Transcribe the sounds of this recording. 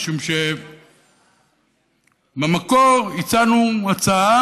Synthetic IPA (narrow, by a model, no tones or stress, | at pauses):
ʃumʃe | bamakoʁit͡sanumat͡saa